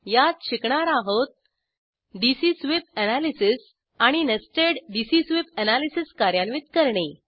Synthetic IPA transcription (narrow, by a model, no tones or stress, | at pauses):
jat̪̚ɕikɳaɾaɦot̪̚ | ɖisisʋip̚ɛnalisis | aɽ̃inəsʈeɽɖisisʋipənalisiskaɾjanʋit̪kəɾɳe